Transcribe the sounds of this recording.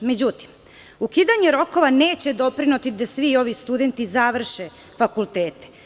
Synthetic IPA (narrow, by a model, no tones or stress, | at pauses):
me̞d͡ʑut̪i̥m | ukid̪aɲeɾo̞ko̞ʋane̞ːt͡ɕed̪o̞pɾinut̪id̪asʋio̞ʋist̪ud̪e̞nt̪izaʋr̩ʃe | fakulˠt̪eːt̪e̥